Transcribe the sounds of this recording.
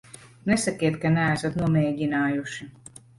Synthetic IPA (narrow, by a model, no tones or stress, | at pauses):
nɛsakʲiɛt̪̚kanææsat̪nuɔmɛːɟinaːjuʃi